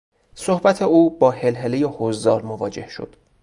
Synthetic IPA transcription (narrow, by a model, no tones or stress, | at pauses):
sohbæt̪ʰeuːbɒːhe̞lɦelejehozd̪ɒːlmovɒːd͡ʒe̞hʃo̰d̪̥